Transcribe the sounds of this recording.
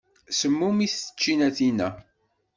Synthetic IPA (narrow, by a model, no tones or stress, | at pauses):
səmːumiθə̥t͡ʃːinæθinæ̰